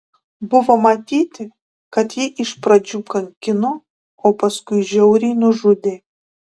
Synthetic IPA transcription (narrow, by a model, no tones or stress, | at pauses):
bʊʋɐmɐt̪ʲiːt̪ʲɪ | kɐt̪jiʔɪʃpɾɐd͡ʒʲuːkɐŋʲkʲɪnʊ | oːpɐskʊjʒʲɛʊɾʲiːnʊʒʊd̪ʲe